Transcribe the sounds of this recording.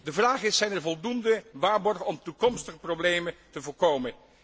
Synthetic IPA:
dəvraːχəɪsɛjnɛɹvɔlˠdundəʋaːɹbɔɹχəɔmtukɔmstəχəprowblejmətəvʊːɹkowmən

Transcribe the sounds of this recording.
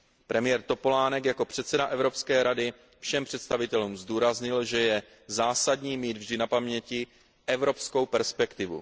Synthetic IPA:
pɾʔɛmɪjɛːɾt̪o̞po̞laːnɛkjako̞pr̝̥ɛt̪sɛdaʔɛvɾo̞pskɛːɾadɪ | fʃɛmpr̥ɛt̪st̪avɪt̪ɛluːmzduːɾazɲɪlʒɛjɛ | zaːsadɲiːmiːd̪vʒdɪnapamɲɛcɪ | ʔɛvɾo̞psko̞wpɛɾspɛkt̪ɪvṵ

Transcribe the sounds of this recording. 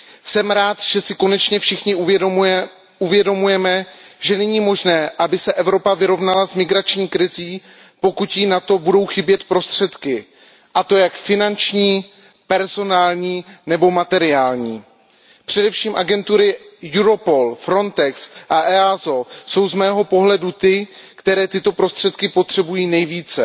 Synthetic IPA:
sɛmɾaːt̪ʒ̥ɛsɪko̞nɛt͡ʃɲɛfʃɪxɲɪuj | ʔuvjɛdo̞mujɛmɛʒɛnɛɲiːmo̞ʒnɛːʔabɪsɛʔɛvɾo̞pavɪɾo̞vnalazmɪɡɾat͡ʃɲiːkɾɪziː | po̞kut̪jinat̪o̞budo̞wxɪbjɛt̪pɾo̞st̪r̝̥ɛt̪kɪ | ʔat̪o̞jakfɪnant͡ʃɲiː | pɛɾzo̞naːlɲiːnɛbo̞mat̪ɛɾɪaːlɲiː | pr̝̥ɛdɛfʃiːmʔaɡɛnt̪uɾɪjuɾo̞po̞lfɾo̞nt̪ɛksʔaʔɛazo̞so̞wzmɛːɦo̞po̞ɦlɛdut̪ɪkt̪ɛɾɛːt̪ɪt̪o̞pɾo̞st̪r̝̥ɛt̪kɪpo̞t̪r̝̥ɛbujiːnɛjviːt͡sɛ

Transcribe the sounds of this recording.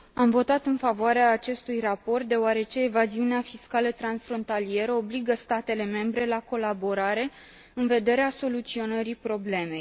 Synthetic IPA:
amvo̞t̪at̪ɨnfavoaɾeaːt͡ʃe̞st̪ujrapo̞rt̪̚d̪e̞oaɾe̞t͡ʃe̞ːvaziuneafiskalət̪ɾansfɾo̞nt̪alie̞ɾəobliɡəst̪at̪e̞le̞me̞mbɾe̞lako̞labo̞ɾaɾe̞ | ɨnve̞d̪e̞ɾeaso̞lut̪sio̞nəɾipɾo̞ble̞me̞j

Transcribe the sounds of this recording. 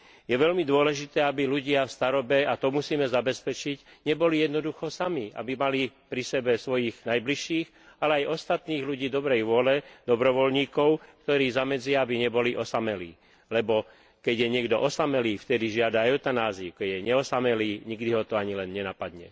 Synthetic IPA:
jɛʋɛʎmid̪ʊɔlɛʒit̪ɛːabiluɟɪafst̪aɾɔbɛat̪ɔmusiːmɛzabɛspɛt͡ʃiɟɲɛbɔlijɛd̪nɔd̪uxɔsamia̰bimalipɾisɛbɛsʋɔjiːɣnajbliʃiːx | alɛajʔɔst̪at̪niːɣluɟiːd̪ɔbɾɛjʋʊɔlɛd̪̥ɔbɾɔʋɔlɲiːkɔʊkt̪ɔɾiːzamɛd͡zɪaabiɲɛbɔliʔɔsamɛlḭː | lɛbɔ | kɛɟjɛɲɪɛɡd̪ɔʔɔsamɛliːft̪ɛd̪iʒɪad̪aɛʊt̪anaːzikɛɟjɛɲɛɔsamɛliːɲiɡd̪iɦɔt̪ɔaɲilɛnɲɛnapad̪ɲɛ̰

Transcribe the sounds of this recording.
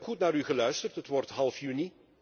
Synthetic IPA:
pχutnaːɾyɣəlœɥstərtɦətʋɔrtɦɑlˠfjyni

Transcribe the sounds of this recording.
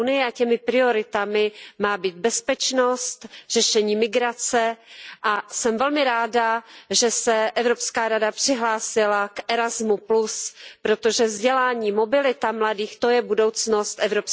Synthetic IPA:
unɪjɛacɛmɪpɾɪo̞ɾɪt̪amɪmaːbiːd̪̚bɛspɛt͡ʃno̞st̪r̥ɛʃɛɲiːmɪɡɾat͡sɛʔasɛmvɛlmɪɾaːdaʒɛsɛʔɛvɾo̞pskaːɾadapr̥ɪɦlaːsɪlakʔɛɾazmupluspɾo̞t̪o̞ʒɛvzɟɛlaːɲiːmo̞bɪlɪt̪amladiːxt̪o̞jɛbudo̞wt͡sno̞st̪ʔɛvɾo̞ps

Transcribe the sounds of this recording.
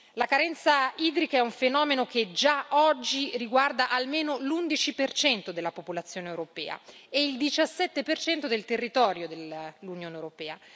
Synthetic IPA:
lakaɾɛnt̪saiːd̪ɾikaɛuɱfenɔːmenoked͡ʒaɔd͡ʒːiriɡward̪aʔalmeːnolund̪it͡ʃipert͡ʃɛnt̪od̪elːapopolat̪sːjoːneewɾopɛ̰ːa̰eild̪it͡ʃasːɛt̪ːepert͡ʃɛnt̪od̪elt̪erːit̪ɔːɾjod̪elːunjoːnewɾopɛːa

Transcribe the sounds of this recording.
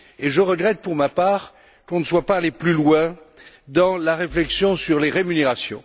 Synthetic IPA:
eʒəʁəɡʁɛt̪̚puʁmapaːʁ | kɔ̃nəswapaleplylwɛ̃ | d̪ɑ̃laʁeflɛksjɔ̃syʁleʁemyneʁasjɔ̰̃

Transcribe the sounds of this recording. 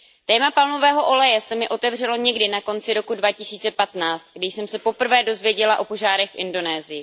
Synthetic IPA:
t̪ɛːmapalno̞vɛːɦo̞ʔo̞lɛjɛsɛmɪʔo̞t̪ɛvr̝ɛlo̞ɲɛɡdɪnako̞nt͡sɪɾo̞kudvacɪsiːt͡sɛpat̪naːt͡st̪ɡdɪjsɛmsɛpo̞pr̩vɛːdo̞zvjɛɟɛlaʔo̞po̞ʒaːɾɛxfʔɪndo̞nɛːzɪjɪ

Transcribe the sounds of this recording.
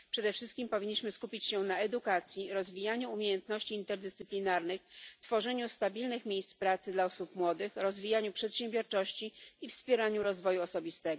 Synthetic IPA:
pʂɛd̪ɛfʂɘst̪kʲimpɔvʲiɲːiɕmɘskupʲit͡ɕɕɛnaɛd̪ukat̪sʲjiɾɔzvʲijaɲuːmʲejɛnt̪nɔɕt͡ɕiːnt̪ɛɾd̪ɛst̪sɘplʲinaɾnɘxft̪fɔʐɛɲust̪abʲilnɘxmʲjejst̪spɾat̪sɘd̪laɔsupmwɔd̪ɘxɾɔzvʲijaɲupʂɛt̪ɕẽmbʲjɔɾt͡ʂɔɕt͡ɕiifspʲjɛɾaɲuɾɔzvɔjuɔsɔbʲist̪ɛɡɔ

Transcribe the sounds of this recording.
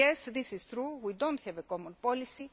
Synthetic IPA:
ɛsðisiz̥θɾuwidõnthɛvekomɔ̃npolisi

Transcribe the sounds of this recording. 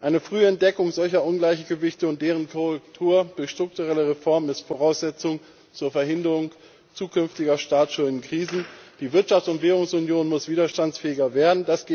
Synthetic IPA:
ʔaɪnəfʁ̥yːɛnt̚d̥ɛkʊŋzɔlçɐʔʊnɡlaɪçɡ̥əvɪçtəʊnt̚d̥eːʁ̞ənkʰɔʁɛk̚tʰuːɐd̥ʊɐçʃtʁ̥ʊk̚tuʁɛləʁefɔɐmnɪstfoʁaʊsz̥ɛt͡sʊŋ | t͡suːɐfɛɐɦɪndəʁʊŋ | t͡suːkʰʏnftɪɡɐʃtaːt͡sʃunnkʁ̥iːzn̩d̥iːvɪɐtʃaftʊntv̥eːʁ̞ʊŋsʊnjoːnmʊsv̥iːdɐʃtant͡sfɛːɪɡɐveːɐdn̩d̥asɡ̥eː

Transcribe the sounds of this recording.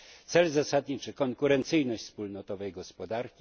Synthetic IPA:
t̪sɛlzasad̪ɲit͡ʂɘkɔŋkuɾɛnt̪sɘjnɔɕt͡ɕʲspulnɔt̪ɔvɛjɡɔspɔd̪aɾkʲi

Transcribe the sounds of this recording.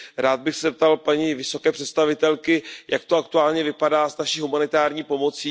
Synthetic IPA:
ɾaːd̪̚bɪxsɛzɛp̚t̪alpaɲivɪso̞kɛːpr̝̥ɛt̪st̪avɪt̪ɛlkɪjʔak̚t̪oakt̪uaːlɲɛvɪpadaːznaʃiːɦumanɪt̪aːɾɲiːpo̞mo̞t͡siː

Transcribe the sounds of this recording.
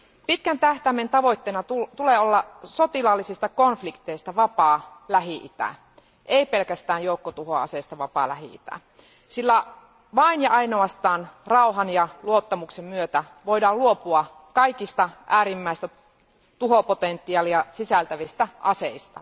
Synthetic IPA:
pit̪kænt̪æht̪æment̪ɑʋo̞it̪ːeːnɑt̪ut̪uleːolːɑsot̪ilɑlːisist̪ɑkonflikt̪eist̪ɑʋɑpɑːlæɦiʔit̪æ̰ | ʔeipelkæst̪æːnjoukːot̪uhoɑ̰seist̪ɑʋɑpɑ̰ːlæɦḭḭt̪æ̰ː | silːæ | ʋɑinjɑɑinoɑst̪ɑːnrɑuɦɑnjɑluot̪ːɑmuksemmyøt̪æ | ʋo̞idɑːluopuɑ | kɑikist̪ɑʔæːɾimːæist̪æ | t̪uɦopot̪ent̪ːˑiɑːliɑsisælt̪æʋist̪æʔɑseist̪ɑ̰

